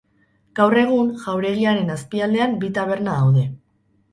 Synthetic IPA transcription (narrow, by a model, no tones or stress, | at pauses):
ɡ̥awre̞ɣ̞unʝawɾe̞ɣ̞iaɾe̞naspiald̪e̞ambit̪aβ̞e̞ɾnaðawðe̞